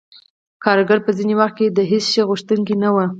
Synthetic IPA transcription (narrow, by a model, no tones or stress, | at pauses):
kɑɾɡaɾpəzinewaxt̪̚ked̪əɦesʃeɣuʃt̪uŋkinawə